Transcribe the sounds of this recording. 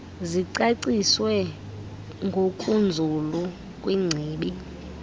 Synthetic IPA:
ziǀaǀiswɛ | ŋɡʱokʼund͡zʱulu | kʼwiŋ͡ǀʱiːɓi

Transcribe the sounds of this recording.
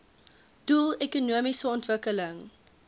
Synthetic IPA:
d̥ulˠekunuəmisəɔntvəkələŋ

